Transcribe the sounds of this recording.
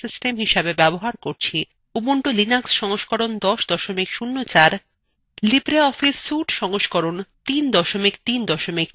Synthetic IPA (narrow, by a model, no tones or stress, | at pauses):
sisʈemɦiʃabebɛboɦaɾkoɾt͡ɕʰi | uboɳʈolinaksʃɔŋoʃkɔɾond̪ɔʃd̪ɔʃomikʃunːot͡ɕaɾ | libɾeɔfisːuʈʃɔŋoʃkɔɾont̪ind̪ɔʃomikt̪ind̪ɔʃomik